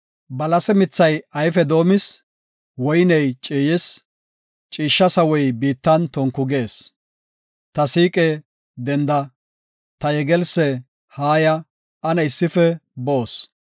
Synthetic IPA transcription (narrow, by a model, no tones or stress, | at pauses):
bɐlɐsɛmɪt͡sːɐjɐjfɛd̪o̞ːmɪs | wɔjnɛjt͡ʃʼiːjɪs | t͡ʃʼiːʃːɐsɐwɔjbiːt̪ːɐnt̪ɔŋkːʊɡe̞ːs | t̪ɐsiːkʼɛ | d̪ɛnd̪ɐ | t̪ɐjɛɡɛlsɛ | haːjɐ | ɐnɐɪsːɪfɛboːs